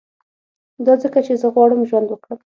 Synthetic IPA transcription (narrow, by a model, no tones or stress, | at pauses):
d̪ɑzəkat͡ʃezəɣwɑɽəmʒwand̪wəkɽəm